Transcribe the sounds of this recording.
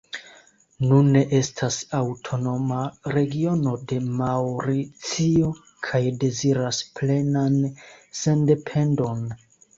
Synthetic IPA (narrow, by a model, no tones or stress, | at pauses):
nunːe̞ʔe̞stʰasawtʰo̞no̞maɾe̞ɡio̞no̞de̞mawɾit͡sio̞ | kʰajde̞ziɾasple̞nanse̞nde̞pʰe̞ndo̞n